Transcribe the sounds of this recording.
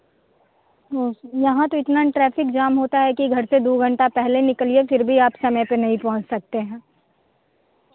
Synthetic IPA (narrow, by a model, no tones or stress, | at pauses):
t̪oːjɐɦãt̪oɪt̪naʈɾɛːfɪkd͡ʒaːmɦoːt̪aɦɛkiɡʱɐɾsed̪oːɡʱɐ̃ɳʈapɛɦlenɪkəliefɪɾbʱiaːpsɐməjpenɐɦĩpɔ̃ɦʊ̃t͡ʃsɐk̚t̪eɦɛ̃ː